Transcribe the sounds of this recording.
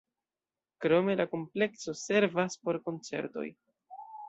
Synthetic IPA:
kɾo̞me̞lako̞mple̞kso̞se̞ɾvaspo̞ɾko̞nt͡se̞̰ɾto̞̰j

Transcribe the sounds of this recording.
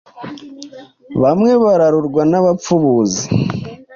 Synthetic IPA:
βamŋe̞βaɾaɾuɾɡwanaβap͡fuβuzi

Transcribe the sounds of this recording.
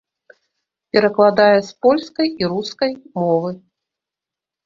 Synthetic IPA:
pʲɛɾɐklˠad̪ajɛspɔlʲskɐjiɾuskɐjmɔvɨ

